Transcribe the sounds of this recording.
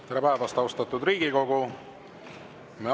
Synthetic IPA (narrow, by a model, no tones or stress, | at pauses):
t̪eɾepæevɑst̪ɑwst̪ɑt̪ːud̪ɾiːɡiko̞ɡu | me